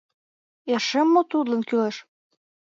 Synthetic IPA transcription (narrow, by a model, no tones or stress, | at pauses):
erʃemːot̪ud̪lə̆nkyleʃ